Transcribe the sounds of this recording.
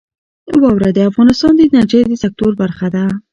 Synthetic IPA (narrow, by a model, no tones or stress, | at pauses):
wɑwɾad̪əafɣɑnɪst̪ɑnd̪ənaɾd͡ʒed̪əsak̚t̪oɾbaɾxad̪a